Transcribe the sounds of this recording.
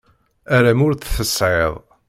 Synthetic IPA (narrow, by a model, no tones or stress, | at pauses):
æɾæmʊɾθθəsˤʕeðˤ